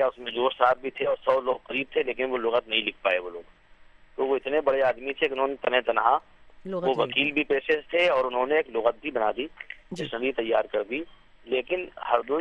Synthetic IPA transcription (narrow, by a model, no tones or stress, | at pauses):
kjaʊsmẽd͡ʒoːɾsaːɾ̚bʱit̪ʰeɔːɾsɔːloːɡ̚qɐɾiːb̚t̪ʰeleːkɪnʋolʊɣət̪nɐɦĩlɪkʰpaːeʋoloːɡ | t̪oʋoɪt̪nebɐɽeaːd̪mit̪ʰekɪʊnɦõnet̪ɐnɦẽt̪ɐnːɦã | ʋoʋɐkiːlbʱipeːʃest̪ʰeɔːɾʊnɦõneeːklʊɣət̪̚bʱibɐnaːd̪id͡ʒɪʃnəd̪it̪ɐjːaːɾkɐɾd̪i | leːkɪnhɐɾd̪oː